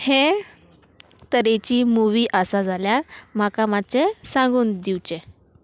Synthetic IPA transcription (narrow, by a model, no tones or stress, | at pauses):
he | t̪əɾet͡ɕiːmuʋiːʔəsad͡zʱaljaɾm̤akamat͡sesãŋɡuːnd̪iwt͡ɕe